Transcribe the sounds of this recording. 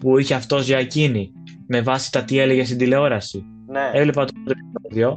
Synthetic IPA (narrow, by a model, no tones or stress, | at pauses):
puiçe̞ɐft̪o̞zʝɐcini | me̞vɐsi̥t̪ɐt̪ie̞leʝest̪ind̪ile̞o̞ɾɐsi | nee̞vle̞pɐt̪oot̪opnoðio̞